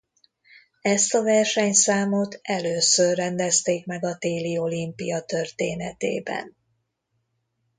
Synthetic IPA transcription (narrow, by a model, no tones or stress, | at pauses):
ɛst̪ɒvɛrʃɛɲsaːmot̪ɛløːsørːɛnd̪ɛst̪eːkmɛɡɒt̪eːlio̞limpijɒt̪ørt̪eːnɛt̪ḛːbɛ̰n